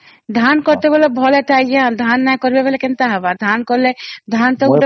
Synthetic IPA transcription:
d̪ʱankɔɾt̪ebɔlebʱɔleʈajãd̪ʱanːajkɔɾbebelekint̪aɦabad̪ʱankɔɾled̪ʱant̪ɔ

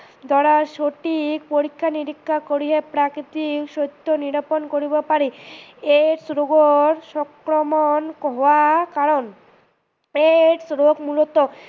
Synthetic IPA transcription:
d̪ʱɔɽaɾʃoʈikpoɾikʰːaniɾikʰːakoɾiɦepɾakɾit̪ikʃot̪ʰːoniɾaponkoɾibepaɾieʈsɾoɡoɾʃɔkɾomonkɦɔakaɾon | eʈsɾoɡmulot̪o

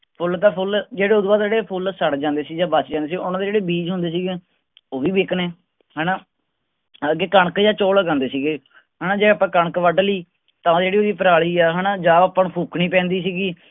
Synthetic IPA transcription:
pʰʊlt̪ãːpʰʊld͡ʒeːɽeːʊd̪baːd̪d͡ʒeːɽeːpʰʊlsəɽd͡ʒãːnd̪eːsiːd͡ʒãːbəsd͡ʒãːd̪eːsiːʊnãːd̪eːd͡ʒeːɽeːbiːd͡ʒɦʊ̃nd̪eːs̬iːɡeː | oːʋiːbekneː | ɦɛːnaː | əɡeːkəɳəkd͡ʒãːt͡ʃoːləɡãːnd̪eːsiːɡeː | ɦəːnaːd͡ʒeːaːpãːkəɳkʋəɖliː | t̪ãːd͡ʒeːɽiːoːd̪iːpəɾaːɭiːɛːɦənaːd͡ʒãːaːpːəɳpʰuːkʰniːpɛ̃ːnd̪iːsiːɡiː

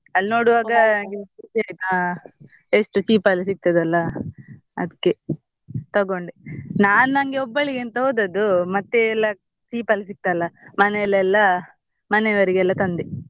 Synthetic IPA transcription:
ɐlːnoːɽuʋaːɡɐnɐŋɡeusiaːjt̪u | eʂʈut͡ʃiːpɐlːɐs̬ik̚t̪ɐd̪ɐlːɐ | ɐ̰d̪ikːe | t̪ɐɡo̞ɳɖinaːnnɐŋɡeɔbːɐɭiɡent̪ɐɦoːd̪ɐd̪umɐt̪ːeːlːɐ | t͡ʃiːpɐlːɐs̬ik̚t̪ɐlːɐmɐnɛɛlːɐɛlːɐ | mɐneʋɐɾiɡɛlːɐt̪ɐnd̪i

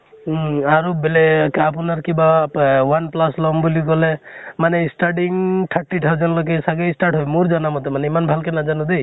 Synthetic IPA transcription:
aɾubelekaap̬unaɾkibawanplaslɔmbulikɔlemaneisʈaɖiŋʈ̪ʰaʈːiʈʰaɾd͡ʒɔnlok̬esaɡesʈaɾʈɦojmuɾd͡ʒanamɔt̪emaneimanbʱalkenad͡ʒanud̪ej

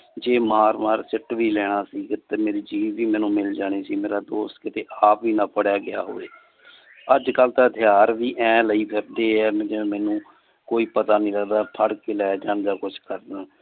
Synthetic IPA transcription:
d͡ʒeːmaːɾmaːɾsɪʈʋiːlɛːɽ̃aːsiːɡt̪eːmeːɾiːd͡ʒiːʋːiːmɛ̃ːnũːmɪld͡ʒaːɽ̃eːsiːmeːɾaːd̪oːst̪kɪt̪eːʔaːpʋiːnaːpəɽjaːɡɪja̰ːɦo̰ːḛː | əd͡ʒkəlt̪aːt̪ʰɪjaːɾʋiːʔɛ̃ːləiːbʰʱɛːp̚d̪eːɛːd͡ʒẽmɛ̃ːnũː | koːiːpət̪aːnĩːləɡd̪aːpʰəɽkeːlɛːd͡ʒãːɳd̪aːkʊt͡ʃʰkəɾd̪ãː

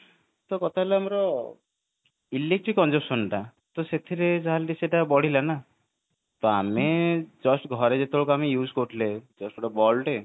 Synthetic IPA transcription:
t̪ɔkɔt̪ʰaɦeleamɔɾɔ | ilek̚ʈɾikːɔnd͡ʒepsɔnʈa | t̪ɔset̪ʰiɾed͡ʒaɦalʈiseʈabɔɽ̤ilana | t̪oamed͡ʒɔsʈɡʱɔɾed͡ʒet̪oɭokoamijud͡ʒkoʈʰled͡ʒɔsʈuɽabɔlʈe

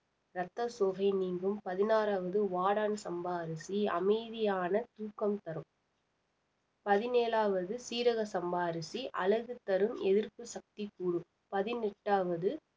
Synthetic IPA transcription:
ɾɐt̪ːɐsɔɣɐɪniːŋɡɯmpɐðɪnaːɾaːʋɐðɯʋaːɽaːnsɐmbaːɾɪsiɐ̰mɐɪðɪjaːnɐt̪uːkːɐmt̪ɐɾɯm | pɐðɪneːlaːʋɐðɯsiːɾɐɣɐsɐmbaːɾɪsiʔɐ̰lɐɣɯt̪ɐɾɯmɛðɪɾpɯsɐk̚t̪ikːuːɽɯ | pɐðɪnɛʈːaːʋɐðɯ

